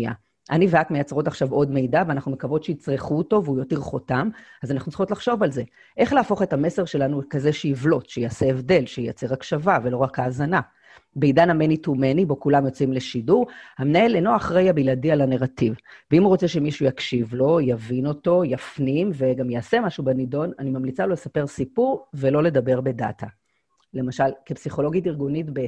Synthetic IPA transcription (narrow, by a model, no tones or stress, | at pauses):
a̰ | ʔaniveatmejat͡sʁo̞taχʃavo̞dme̞jdaveanaχnumekavo̞t̪ʃeit͡sʁiχuoto̞veujotiʁχo̞tamazanaχnut͡ssʁixo̞tlaχʃo̞valze̞ | ʔe̞χleafo̞χe̞tame̞se̞ʁʃe̞lanukazeʃeivlo̞tʃejaːse̞evde̞lʃeja̰t͡se̞ʁakʃavavelo̞ʁakaːzana | beidanamenitumenibo̞kulamjo̞t͡simle̞ʃiduʁhamnaeleno̞aχʁejabiladialaneʁativveimuʁot͡se̞ʃemiʃujakʃivlo̞javino̞to̞jafnimve̞ɡamjaːse̞maʃubenido̞nanimamlit͡salo̞le̞sape̞ʁsipuʁve̞lo̞le̞dabe̞ʁbe̞da̰tʰa | le̞maʃalkepsiχo̞loɡitiʁɡunitbe